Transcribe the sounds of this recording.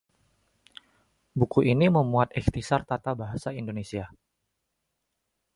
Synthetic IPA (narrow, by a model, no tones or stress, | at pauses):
bukuʔiniməmuat̪̚ɛkt̪isart̪at̪abaɦasaindonesia